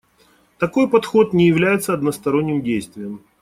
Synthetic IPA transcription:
t̪ɐko̞jpɐt̪xo̞t̪nʲɪjɪvlʲæjɪt̪səɐd̪nəst̪ɐɾo̞nʲːɪmdʲejst̪vʲɪjəm

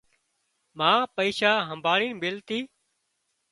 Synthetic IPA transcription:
mãːpəiːʃaːɦəmbʱaːɽiːnbɪlt̪iː

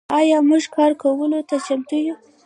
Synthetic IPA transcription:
ɑjɑmuʒkɑɾkawəlot̪at͡ʃamt̪uju

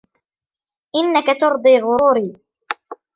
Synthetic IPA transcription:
ʔɪnːakat̪ʊɾd̪ˤiːɣʊɾuːɾiː

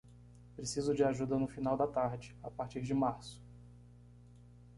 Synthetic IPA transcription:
pɾesizʊd͡ʒɪaʒud̪ɐnʊfinawd̪ɐt̪aɾd͡ʒɪapaɾt͡ʃiɾd͡ʒɪmaɾsʊ̥

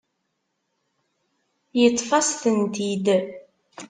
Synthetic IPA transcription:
jət̪ˤːfɑsθənt̪id̪

